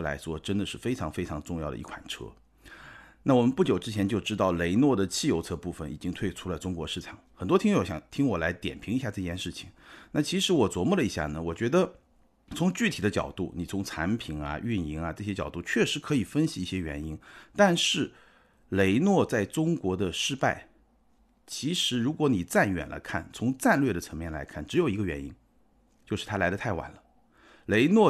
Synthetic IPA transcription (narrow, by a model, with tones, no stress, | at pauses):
la̰˧˥ɪʂwɔ˥ʈ͡ʂə˥nd̪ə˨ʂɻ̩˥˩fe˥ɪʈ͡ʂʰɑ˧˥ŋfe˥ɪʈ͡ʂʰɑ˧˥ŋʈ͡ʂʊ˥˧ŋjɑ˥˩ʊd̪ə̰˩ḭ˧˥kʰwa̰˨˩nʈ͡ʂʰɤ̰˥ | na˥˩wɔ˨˩mə˦npu˥˩t͡ɕjo˨˩ʊʈ͡ʂɻ̩˥t͡ɕʰjɛ˧˥nt͡ɕjo˥˧ʊʈ͡ʂɻ̩˥t̪ɑ˥˩ʊle˧˥ɪnwɔ˥˩d̪ə˩t͡ɕʰi˥˩jo˧˥ʊt͡sʰɤ˥˧pu˥˩fə˩nḭ˨˩t͡ɕi˥ŋt̪ʰwe˥˩ɪʈ͡ʂʰu˥lə˧ʈ͡ʂʊ˥ŋkwɔ˧˥ʂɻ̩˥˩ʈ͡ʂʰɑ˨˩˦ŋxə˨˩nt̪wɔ˥t̪ʰi˥˩wɔ˧˥˩ɕjɑ̰˨˩ŋt̪ʰi˥ŋwɔ˨˩la˧˥ɪt̪jɛ̰˨˩npʰi˧˥ŋi˧ɕja˥˧ʈ͡ʂɤ˥˧t͡ɕjɛ˥˧nʂɻ̩˥˩t͡ɕʰi̥˩ŋna˥˩t͡ɕʰi˧˥ʂɻ̩˧˥wɔ˨˩t͡swɔ˧˥mu˥˩lə˩i˧˥ɕja̰˥˩nə˩wɔ˨˩t͡ɕɥɛ˧˥d̪ə˧ | t͡sʰʊ˧˥ŋt͡ɕy˥˩t̪ʰi˨˩d̪ə˦t͡ɕjɑ̰˨˩ʊt̪u˥˩ni˨˩t͡sʰʊ˧˥ŋt͡sʰa˧˥npʰi˨˩nɐ̰˧y˥˩ni˧˥ŋɐ˧ʈ͡ʂɤ˥˩ɕjɛ˥t͡ɕjɑ˨˩ʊt̪u˥˩t͡ɕʰɥɛ˥˩ʂɻ̩˧˥kʰɤ˧˥i˨˩fə˥nɕi˨i˥˩ɕjɛ˥ɥɛ̰˧˥ni˥nt̪a˥˧nʂɻ̩˥˩ | le˧˥ɪnwɔ˥˧t͡sa˥˩ɪʈ͡ʂʊ˥ŋkwɔ˧˥d̪ə˧ʂɻ̩˥˧pa˥˩ɪ | t͡ɕʰi˧˥ʂɻ̩˧˥ɻu˧˥kwɔ˧˥ni˨˩t͡sa˥˩nɥɛ̰˨˩nlʔa̰˧˥ɪkʰa˥˩nt͡sʰʊ˧˥ŋt͡sa˥˧nlɥjɛ˥˩d̪ə˩t͡sʰɤ˧˥ŋmjɛ˥˩nla̰˧˥ɪkʰa˥˩nʈ͡ʂɻ̩˧˥jo˨˩ʊi˧˥ɡə˧ɥɛ˧˥nḭ˥n | t͡ɕjo˥˧ʊʂɻ̩˥˩t̪ʰa˥la˧˥ɪdə˧t̪ʰa˥˩ɪwa̰˨˩nlə˦ | le˧˥ɪnwɔ˥˩